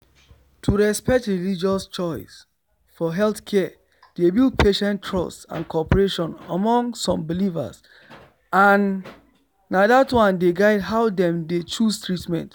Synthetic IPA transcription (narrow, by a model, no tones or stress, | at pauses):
tʰuɹɛspɛk̚tɹilid͡ʒɔst͡ʃɔɪs | fɔɦɛlθkʰɛ | d̥ebilˠd̚pʰeʃɛ̃ntʰːɹɔ̰stã̰nkʰɔpəɹeʃɔ̃nəmɔ̃ŋsɔ̃mbiliva̰s | ãnː | adatwãndeɡaɪdɦaʊdɛ̃mdet͡ʃustɹitmɛ̰̃nt